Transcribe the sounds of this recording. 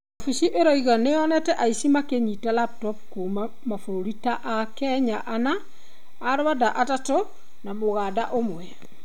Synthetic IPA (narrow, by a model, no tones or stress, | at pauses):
afisiʔeɾɔiɣaneɔnɛtɛʔaisimakeɲitalap̚tɔp̚ko | mafoɾoɾitaʔakɛɲaʔanaː | ɾwadaʔatato | naboɣada̰ʔomwɛ